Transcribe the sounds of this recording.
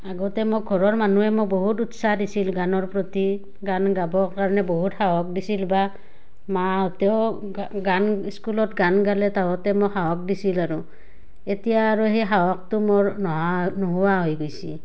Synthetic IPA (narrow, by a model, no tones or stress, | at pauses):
aɡɔtɛmok̚ɡʱɔɹɔɹmanuɛmok̚boɦututsaɦdisilɡanɔɹpɹoti | ɡanɡabɔɹkaɹɔnɛboɦuthawɔk̚disilba | maɔtɛʊ | ɡaniskulɔt̚ɡanɡalɛtawɔtɛmokhawɔk̚disilaɹu | etijaːɹuɦeɦawɔk̚tʊmoɹnɔɦanoɦuaɦojɡojsi